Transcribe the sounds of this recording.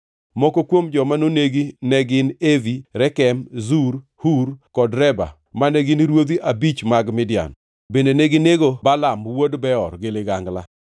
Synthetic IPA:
mɔkokwomd͡ʒɔmanoneɡinɛɡɪneviɾɛkɛmzuɾ | hurkɔdɾɛba̰ | manɛɡɪniɾwod̪iʔabit͡ʃmaɡmɪdja̰n | bendeneɡɪneɡobalamwodbɛɔrɡɪlɪɡaŋɡla̰

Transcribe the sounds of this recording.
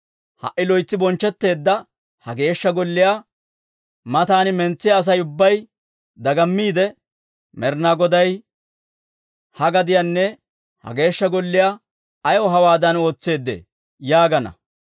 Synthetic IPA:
hɐ̰ʔɪlɔjt͡sːɪbɔnt͡ʃːɛt̪ːe̞ːd̪ːɐ | hɐɡe̞ːʃːɐɡɔlːɪja | mɐt̪aːnɪmɛnt͡sːɪjaːs̬ɐjʊbːɐj | d̪ɐɡɐmːiːd̪ɛ | mɛɾnaɡɔd̪ɐj | hɐɡɐd̪ɪjɐnːɛ | hɐ̰ɡe̞ːʃːɐɡɔlːɪja | jɔɦɐwaːd̪ɐno̞ːt͡sːe̞ːd̪ːḛː | jaːɡɐnɐ̰

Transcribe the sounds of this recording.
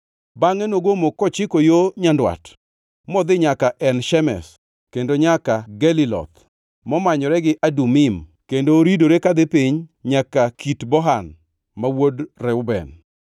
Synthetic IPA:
baŋɛnoɡomokɔt͡ʃɪkojoɲandwa̰t | mɔd̪ɪɲakaʔɛnʃɛmɛ̰s | kendoɲakaɡɛlilɔ̰t̪ | mɔmaɲɔɾɛɡɪʔadumimkendoːɾidoɾekad̪ɪpiɲɲakakʰitbɔɦan | mawodrɛʊbɛ̰n

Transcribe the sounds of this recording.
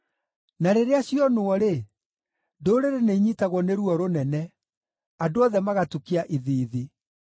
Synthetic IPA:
naɾeɾeaɕjɔnoɔɾe | doːɾeɾeneiɲitaɣwɔneɾuɔɾonɛnɛ | adoɔðɛmaɣatukiaʔiðiːði

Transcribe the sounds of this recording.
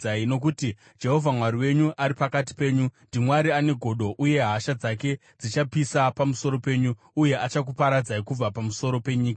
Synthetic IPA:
aino̞k̬uti | d͡ʒe̞ɦo̞vʱamwaɾiwe̞ɲuʔaɾipakat̬i̥pe̞ːɲundimwaɾiane̞ɡʱo̞ɗo̞ʔuje̞ɦaʃad͡zake̞ | d͡zit͡ʃapisapamuso̞ɾo̞pe̞ːɲuːje̞ʔat͡ʃak̬upaɾad͡zaikub͡vapamuso̞ɾo̞pe̞ɲiːka

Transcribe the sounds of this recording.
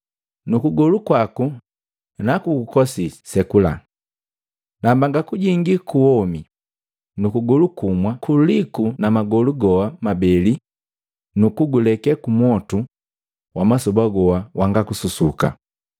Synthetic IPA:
nukuɡɔlukwaku | nakuɡukɔsisɛkula̰ | nambaŋɡakuɟiŋɡikuwɔmi | nukuɡɔlukumwakulikunamaɡɔluɡɔwamabɛli | nukuɡulɛkɛkumwɔtu | wʔamasɔbaɡɔwawʔaŋɡakususuka̰

